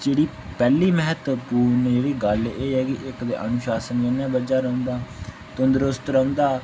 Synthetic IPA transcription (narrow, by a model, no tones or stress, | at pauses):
d͡ʒeːɽiː | pɛːliːmɛɦət̪puːnd͡ʒeːɽiːɡəleːɦɛːkɪʔɪkd̪ḛːʔənʊʃaːsənənãːbəd͡ʒaːɾə̃ʊ̃nd̪aː | t̪ʊnd̪ɾʊst̪ɾə̃ʊ̃nd̪aː